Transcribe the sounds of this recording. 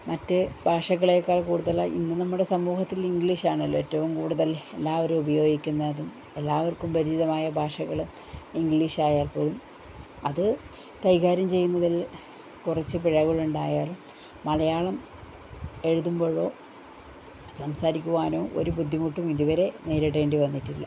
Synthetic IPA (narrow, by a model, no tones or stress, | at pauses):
mɐtːɨbʱaːʂɐɣɐɭekːaːɭkuːɽuðɐlɐʔḭnːɨnɐmːuɽe̞sɐmːuːhɐt̪ːiliŋɡɭiːʂaːɳɐlːoetːɐʋumkuːɽuðɐlelːaːʋɐɾumubɐjo̞ːɡikʲːunːɐðum | e̞lːaːʋɐrkumpɐɾid͡ʑiðɐmaːjɐbʱaːʂɐɣɐɭu | iŋɡɭiːʂaːjaːlpoːlum | ɐðɨ | kɐjkaːɾɐmt͡ɕe̞jːunːɐðil | kurɐt͡ɕːɨpiɻɐɣɐɭuɳɖaːjaːɭuː | ɐɭɐjaːɭɐm | e̞ɻuðumbo̞ːɻo̞ː | sɐmsaːɾikʲːuʋaːno̞ːʔo̰ɾubud̪ʱːimuʈːumiðuʋɐɾe̞ne̞ːɾeɽe̞ːɳɖiʋɐnːiʈːilːɐ̰